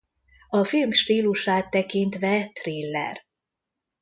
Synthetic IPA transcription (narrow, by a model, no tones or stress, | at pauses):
ɒfilmʃt̪iːluʃaːt̪ːɛkint̪ʋɛt̪rilːɛ̰r